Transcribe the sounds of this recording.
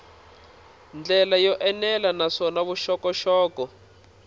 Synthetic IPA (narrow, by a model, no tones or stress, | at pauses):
nd͡ɮɛlajɔʔɛnɛlanaʂɔnaβuʃɔkɔʃɔːkɔ